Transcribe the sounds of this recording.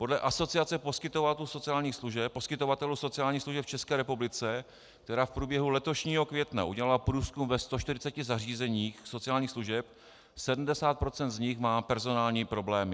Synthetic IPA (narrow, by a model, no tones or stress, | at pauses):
po̞dlɛʔaso̞t͡sɪat͡sɛpo̞skɪt̪o̞vat̪ɛluso̞t͡sɪjaːlɲiːxsluʒɛposkɪt̪o̞vat̪ɛluso̞t͡sɪjaːlɲiːxsluʒɛpft͡ʃɛskɛːɾɛpublɪt͡sɛ | k̚t̪ɛɾaːfpɾuːbjɛɦulɛt̪o̞ʃɲiːɦo̞kvjɛt̪na̰ʔuɟɛlalapɾuːskumvɛst̪oʃt̪ɪɾɪt͡sɛcɪzariːzɛɲiːxso̞t͡sɪjaːlɲiːxsluʒɛp | sɛdm̩dɛsaːt̪̚pɾo̞t͡sɛnt̪zɲɪxmaːpɛɾzo̞naːlɲiːpɾo̞blɛːmɪ